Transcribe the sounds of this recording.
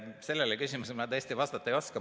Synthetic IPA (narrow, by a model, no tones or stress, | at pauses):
se̞lːelekysimusemɑt̪æeːst̪iʋɑst̪ɑt̪ːˑɑeijo̞skɑ